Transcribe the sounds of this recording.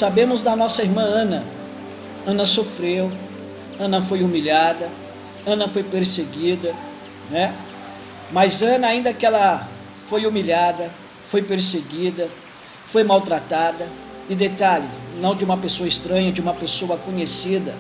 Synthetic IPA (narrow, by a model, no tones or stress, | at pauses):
sabẽmʊzd̪ɐnɔsɐiɾmɐ̃ɐ̃nɐ | ɐ̃nɐsofɾew | ɐ̃nɐfojumiʎad̪ɐ | ɐ̃nɐfojpeɾseɡid̪ɐ | nɛ | mɐzɐ̃nɐaĩnd̪ɐkɪɛlɐ | fojumiʎad̪ɐ | fojpeɾseɡid̪ɐ | fojmawt̪ɾat̪ad̪ɐ | ɪd̪et̪aʎɪnɐ̃w̃d͡ʒɪũmɐpesoɐist̪ɾɐ̃ɲɐd͡ʒɪũmɐpesoɐkõɲesid̪ɐ